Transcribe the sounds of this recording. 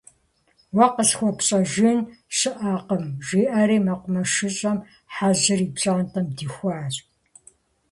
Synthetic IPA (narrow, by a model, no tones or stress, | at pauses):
wɐqəsxʷɔpɕʼɐʒɪnʃɨʔaːqəmʒʷiːʔɐɾiːmɐqʷʊmɐʃɨɕʼɐm | ħazɨriːpɕʼantʰʼɐmdiːxʷaːɕʼ